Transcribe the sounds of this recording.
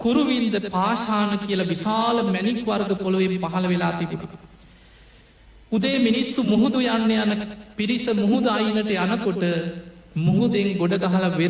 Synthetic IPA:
kuɾuʋind̪əpaːʃaːnɐkijəlɐʋisaːlɐmænikʋaɾɡəpoluʋempaɦɐlɐʋelaːt̪ibuno̰ | ud̪eːminisːumuɦud̪ujanːeanəpiɾisəmuɦud̪ajinɐʈejanɐkoʈəmuɦud̪eŋɡoɖɐɡaɦɐlɐʋeɾ

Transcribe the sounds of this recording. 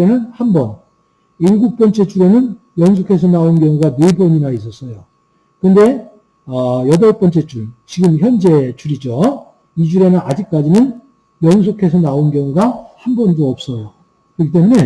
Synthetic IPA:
enɯnhambʌn | iɭɡuk̚p͈ʌnt͡ɕ͈e̞t͡ɕʰuɾenɯn | jʌŋsʰokʰe̞sʰʌnaonkjʌŋuɡanebʌɲinais̬͈ʌs͈ʌjo | kɯnde̞ | ʌjʌdʌɭp͈ʌnt͡ɕ͈e̞t͡ɕʰuɭt͡ɕiɡɯmçjʌnd͡ʑe̞t͡ɕʰuɾid͡ʑo | id͡ʑuɾe̞nɯnad͡ʑik̚k͈ad͡ʑinɯn | jʌŋsʰokʰe̞sʰʌnaonkjʌŋuɡahambʌndoʌp̚s͈ʌjo | kɾʌkʰit͈e̞mune̞

